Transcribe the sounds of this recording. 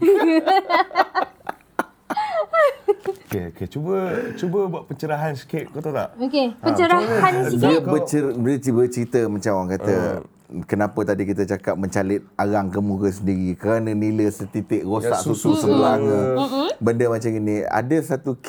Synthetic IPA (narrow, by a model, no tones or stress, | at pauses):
keoket͡ʃubət͡ʃubəbaʔpəɲt͡ʃəɾaɦansi̥kep̚kot̪ot̪a̰ʔokepəɲt͡ʃəɾahansdiəbət͡ʃəbət͡ʃbət͡ʃəɾit̪əmãt͡ʃamwaŋkat̪ə | kənãpət̪adikit̪ət͡ʃakap̚məɲt͡ʃalɪt̪̚aɣaŋkəmuɡəs̬əndiɾikəɾanəniləsət̪it̪ɪʔɾosaʔsut̪usəkuaŋ | bəndəmãt͡ʃaminia̰dəsat̪uk